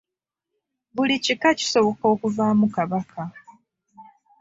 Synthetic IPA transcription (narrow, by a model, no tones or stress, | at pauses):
βulicikaci̥so̞βo̞ko̞ːkuvaːmukaβakʰa